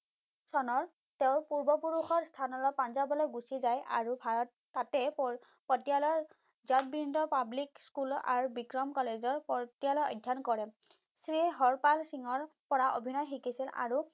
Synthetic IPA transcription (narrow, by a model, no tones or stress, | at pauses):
sɔnɔɹ | teʊ̃ɹpuɹbɔpuɹuxɔɹstʰanɔlɔpanzabɔlɔjɡusizaja̰ɹubʱaɹɔtːatɛp | pɔtijalɔ | zat̚bindɔpablikskula̰ɹubikɹɔmkɔlezɔɹpɔtijalɔjɔ̰jdʱːankɔɹɛ | sɹiɦɔɹpalsiŋɔɹpɔɹaʔobʱinɔjxikisila̰ɹu